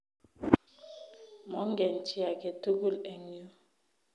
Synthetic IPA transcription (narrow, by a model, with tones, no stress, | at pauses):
mɔ˨˦ŋ˦ɡɛ˨n̩˨ti˦a˨ke˨tu˦ɡu˦˨lɛ˨ŋ˦o˦